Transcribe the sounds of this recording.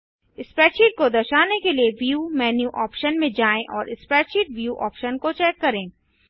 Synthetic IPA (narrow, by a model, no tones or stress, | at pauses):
ɪspɾɛːʃiːʈ̚kod̪ɐʃaːnekelieʋjuːmɛːnjuʔɔːpʃənmẽd͡ʒaːẽʔɔːɾʔɪspɾɛːt͡ʃiːʈʋjuːʔɔːpʃənkot͡ʃɛːkːɐɾẽː